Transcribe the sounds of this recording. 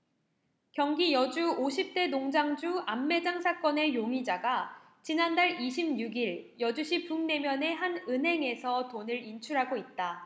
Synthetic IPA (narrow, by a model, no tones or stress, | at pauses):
kjʌŋɡijʌd͡ʑuoɕʰip̚t͈e̞noŋd͡ʑaŋd͡ʑuamːe̞d͡ʑaŋsʰak͈ʌne̞joŋid͡ʑaɡa | t͡ɕinandaɭiɕʰimɲuɡiɭjʌd͡ʑuɕʰipuŋne̞mjʌne̞ɦanɯnɦe̞ŋe̞sʰʌtonɯɾint͡ɕʰuɾɦaɡoit̚t͈a